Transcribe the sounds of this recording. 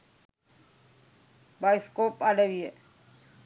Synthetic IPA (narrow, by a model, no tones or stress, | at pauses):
baːɪskoːpaːɖeʋiːeː